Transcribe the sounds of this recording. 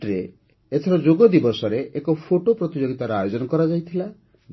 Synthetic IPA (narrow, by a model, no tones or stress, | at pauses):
ɾe | et̪ʰɔɾɔd͡ʒoɡɔd̪ibɔsɔɾeʔekɔpʰoʈopɾɔt̪id͡ʒoɡit̪aɾɔajod͡ʒɔnɔkɔɾad͡ʒajt̪ʰila